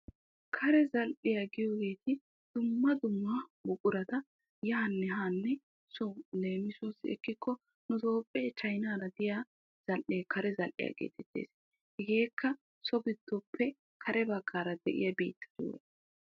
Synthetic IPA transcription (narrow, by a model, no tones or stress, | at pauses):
kʰɐɾɛzɐlʔɪjaɡɪjɔɡe̞ːt̪ʰɪ | d̪̥ʊmːɐd̪ʊmːɐbʊkʼʊɾɐt̪ɐ | jɐːnːɛɦaːnːɛ | sɔle̞ːmɪsɔsɛ̰kːɪkʰːɔ | nʊt̪o̞ːpʼːeːt͡ʃɐjnaːɾɐd̪ɪjaː | z̥ɐlʔeːkʰɐɾɛzɐlʔɪ̰ja̰ɡḛːt̪ɛt̪ːḛːs | hɛɡe̞ːkʰːɐ | sɔɡɪd̪̥ːɔpʰːɛ | kʰɐɾɛbɐɡːaːɾɐd̪ɛʔɪ̰jɐbḭːt̪ʰːɐ̥d͡ʒṵwḛ